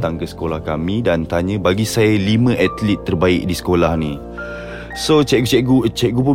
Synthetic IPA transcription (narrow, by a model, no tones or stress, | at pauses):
t̪aŋkəsə̥kolahkamĩdant̪aɲə̃baɡisajəlimə̃ʔat̪lit̪ːərbaɪk̚disə̥kolahni | sot͡ʃɛʔ̚ɡut͡ʃɛʔɡut͡ʃɛʔ̚ɡup̬u